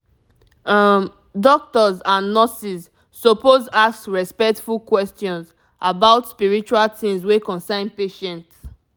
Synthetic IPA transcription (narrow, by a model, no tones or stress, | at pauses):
m | dɔk̚tɔzãnːɔsizː | opozassɹɛspɛk̚tfulkwɛstjɔ̃nz | ʔabaʊtspiɹit͡ʃualtĩŋzwekɔ̃nsãɪ̃npeʃɛ̃nt